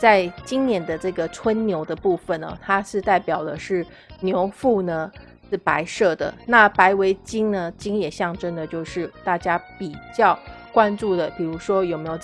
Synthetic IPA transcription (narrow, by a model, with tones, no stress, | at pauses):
t͡sa˥˩ɪt͡ɕi˥ŋnjɛ˧˥nd̪ə˧ʈ͡ʂɤ˥˩ɡə˩t͡sʰwə˥nnjo˧˥ʊd̪ə˧pu˥˩fə˨˩nɐ̰˨˩t̪ʰa˥ʂɻ̩˥˧t̪a˥˩ɪpjɑ˨˩ʊd̪ə̰˦ʂɻ̩˥˩ | njo˧˥ʊfu˥˩nə˨ | ʂɻ̩˥˩pa˧˥ɪʂɤ˥˩d̪ə̰˩na˥˩pa˧˥ɪwe˧˥ɪt͡ɕi˥ŋnə˨t͡ɕi˥ŋjɛ˨˩ɕjɑ˥˩ŋʈ͡ʂə˥nd̪ə˨t͡ɕjo˥˧ʊʂɻ̩˥˩t̪a˥˩t͡ɕja˥pi˨˩t͡ɕjɑ˥˩ʊkwa˥nʈ͡ʂu˥˩d̪ə˩pi˨˩ɻu˧˥ʂwɔ˥jo˨˩ʊme˧˥ɪjo˨˩ʊ